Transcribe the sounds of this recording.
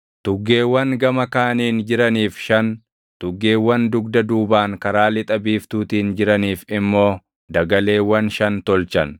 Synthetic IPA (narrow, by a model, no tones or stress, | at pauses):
t̪ʊɡːe̞ːwːɐŋɡɐmɐkaːniːnd͡ʒɪɾɐniːfʃɐn | t̪ʊɡːe̞ːwːɐnd̪ʊɡd̪ɐd̪uːbaːŋkɐɾaːlɪt̪ʼɐbiːft̪uːt̪iːnd͡ʒɪɾɐniːfɪmːo̞ː | d̪ɐɡɐle̞ːwːɐnʃɐnt̪ɔlt͡ʃɐn